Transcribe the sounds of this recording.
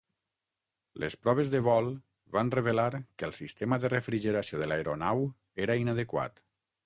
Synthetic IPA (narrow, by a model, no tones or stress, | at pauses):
lʔḛspɾɔβ̞ezðəβɔlˠ | βanreβelaɾkəlˠsist̪eməðərefɾiʒeɾasijoðəlaeɾonaw | eɾainəðəkwa̰t̪